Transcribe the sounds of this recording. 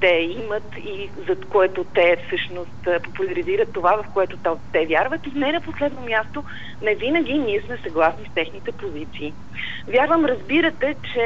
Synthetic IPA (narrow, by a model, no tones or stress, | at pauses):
t̪ɛimət̪ | i | zɐt̪koɛt̪ot̪ɛfsɤʃnost̪populʲɐɾiziɾət̪ːovavɐfkoɛt̪ot̪t̪ɛvjaɾvət̪inɛnɐposlɛd̪nomʲjast̪o | nɛvinəɡ̟ʲiniɛsmɛsɐɡlˠasnist̪ɛxnit̪ɛpozit̪siː | vʲjaɾvəmɾɐzbiɾət̪ɛt͡ʃɛ